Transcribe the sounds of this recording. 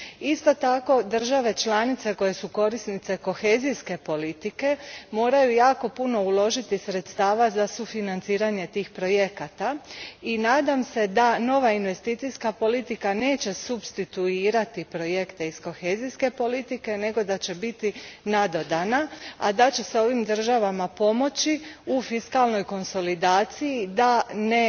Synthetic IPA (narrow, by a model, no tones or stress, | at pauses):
ist̪o̞t̪ako̞d̪r̩ʒaʋe̞t͡ʃlanit̪se̞ko̞je̞suko̞ɾisnit̪se̞ko̞xe̞ːzijske̞po̞lit̪ike̞mo̞ːɾajujaːko̞puno̞ulˠo̞ʒit̪isɾe̞t̪st̪aːʋazasufinant̪siːɾaɲe̞t̪iːxpɾo̞je̞kat̪ainaːd̪amse̞d̪ano̞ʋainʋe̞st̪iːt̪sijskapo̞lit̪ikane̞ːt͡ɕe̞subst̪it̪uiːɾat̪ipɾo̞je̞kt̪e̞isko̞xe̞zijske̞po̞lit̪ike̞ne̞ɡo̞d̪at͡ɕe̞bit̪inad̪o̞d̪anaa̰d̪at͡ɕe̞so̞ʋimd̪r̩ʒaʋamapo̞mo̞t͡ɕiufiskalˠno̞jko̞nso̞lid̪aːt̪sijid̪ane